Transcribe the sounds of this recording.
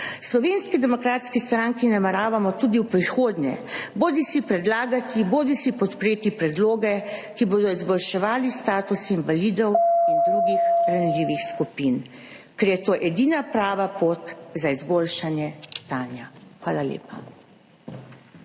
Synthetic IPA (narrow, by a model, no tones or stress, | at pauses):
slɔʋeːnskid̪ɛmɔkɾaːt̪skist̪ɾaŋkinamɛɾaːʋamɔt̪uːd̪iuwpɾixoːd̪ɲjɛ̰boːd̪isipɾɛd̪laːɡat̪iboːd̪isipɔt̪pɾeːt̪ipɾɛd̪loːɡɛkiboːd̪ɔizbɔlʃɛʋaːlist̪aːt̪usinʋalid̪ɔwind̪ɾuɡixɾanliːʋixskupin | kɛɾjɛt̪oːʔɛd̪iːnapɾaːʋapoːt̪zaizboːlʃanjɛst̪aːnjaxʋaːlalḛːpa